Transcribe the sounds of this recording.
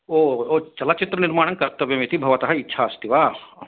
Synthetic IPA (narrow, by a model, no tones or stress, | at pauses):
oːoːt͡ʃɐlat͡ʃɪt̪ɾənɪɾmaːɽɐnkɐɾt̪ːɐʋjɐmit̪ibʱɐʋɐt̪ɐɦɐitːʃʰaɐst̪iʋaː